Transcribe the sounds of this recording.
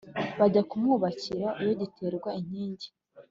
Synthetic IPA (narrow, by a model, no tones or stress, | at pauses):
βaɟakumŋuːβaciɾaʔijo̞ɟitʰe̞ːɾɡwaiɲ̥iːɲɟi̥